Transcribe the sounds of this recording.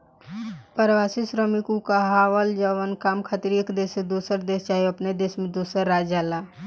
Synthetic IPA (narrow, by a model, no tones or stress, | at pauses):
pəɾʋasisɾəmikukaɦaːwəld͡ʒəʋənkaːmkʰaːt̪iɾeːkd̪eːsed̪usəɾd̪eːst͡ʃaːɦioəpned̪eːsmẽd̪uːsəɾːaːd͡ʒala